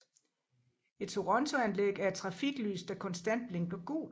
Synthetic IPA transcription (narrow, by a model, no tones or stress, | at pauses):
e̝d̥̚t͡sʰo̝ʁɔ̽nt͡sʰo̝ænleɡ̥æɐe̥t͡sʰʁɑ̈fiɡ̥ly̰ːsd̥ækʰɒ̽nsd̥æn̰d̥̚b̥le̝ŋɡ̥ɒ̽ɡ̥ṵː